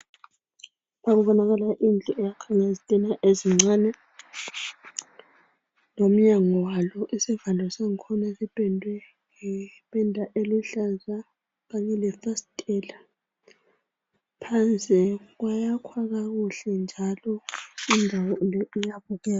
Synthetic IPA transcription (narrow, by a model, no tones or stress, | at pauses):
βaɣuβɔnaɣalaʔind͡ɮʱʼɔʔɛjakʰaŋezitʼinaʔeziŋ͡ǀanɛ | lom̩ɲaŋɔwalɔʔisivandʱɔsaŋikʰɔnasib̥ʱʼɛndʱwɛ | ŋɛpʼɛndʱaʔeluɬaza | ɣaɲɛlɛθastʼɛla | pʰant͡sʼiɣ̬wajakʰwaɣaɣuɬɛnd͡ʒʱalɔindʱawɔlɔijaβuɣɛːa